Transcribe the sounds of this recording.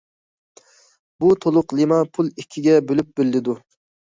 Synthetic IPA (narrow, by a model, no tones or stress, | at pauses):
but̪ʰolˠʊqlˠimɑpʰulˠikʲʰːiɡʲɛbølyp̚bɪlːɪd̪u